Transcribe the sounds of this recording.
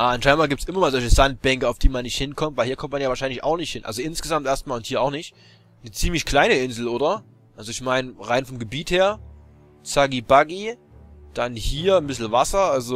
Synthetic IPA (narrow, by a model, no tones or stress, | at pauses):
ʔaːanʃaɪnmaːlɡiːp̚tsʔɪmɐmaːlzɔlçəzant̚b̥ɛŋkəaʊfd̥iːmanːɪçthɪnkʰɔmtv̥aɪhiːɐkʰɔmt̚manjavaːʃaɪnlɪça̰ʊxnɪçthɪnʔa̰lzoɪnsɡ̥əzamtʔeːɐst̚maːlʊnthiːɐʔaʊxnɪçt | nət͡siːmlɪçkl̥aɪnəɪnzl̩ʔoːɾɐ | ʔalzoɪçmaɪnʁaɪnfɔmɡəbiːtheːɐ | t͡saɡibaɡi | d̥anhiːɐnbɪs̬l̩vasɐʔalzo